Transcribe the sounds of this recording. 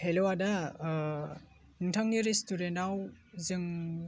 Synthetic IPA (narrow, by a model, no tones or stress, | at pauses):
helowada | nɯŋtʰaŋniɾestuɾentaw | zɯŋ